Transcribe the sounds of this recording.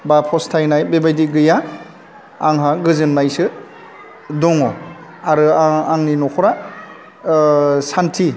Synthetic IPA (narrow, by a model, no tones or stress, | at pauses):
bapʰɔstʰajnajbebajdiɡɯjaː | ŋɦaɡɯzɯnːajsɯ | dɔŋɔ | aɾɯaaŋninɔkʰɔɾa | santʰi